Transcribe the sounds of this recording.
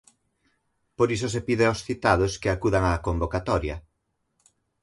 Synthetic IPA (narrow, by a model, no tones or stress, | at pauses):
poɾisosepiðeawsθit̪aðoskeakuðaŋakombokat̪ɔɾjɐ